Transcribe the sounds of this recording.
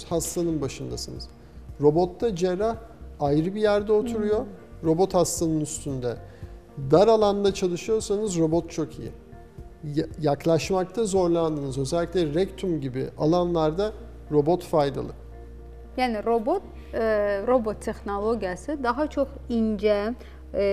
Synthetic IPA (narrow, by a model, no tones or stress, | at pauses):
hast̪anɯnbaʃɯnd̪asɯnɯ̰z̥ | ɾo̞bo̞t̪ːad͡ʒeɾah | ajɾɯbijæɾd̪ɛot̪ʰuɾujo̞ɾo̞bo̞t̪hast̪anɯnyst̪ʰynd̪ɛ | d̪aɾalˠand̪at͡ʃʰalˠɯʃɯjo̞ɾsanɯzɾo̞bo̞t̪̚t͡ʃʰo̞kʰḭjḭ | jaklˠaʃmak̚t̪ʰazo̞ɾlˠand̪ɯnɯzø̞zɛlʲːiclʲɛɾɛct̪ʰumɟibḭʔalˠanlˠaɾd̪a | ɾo̞bo̞t̪fajd̪a̰lˠɯ | jaːniɾobot̪ | ɾobot̪ʰːɛxnolˠoɟijasɯd̪aɦat͡ʃʰokind͡ʒɛ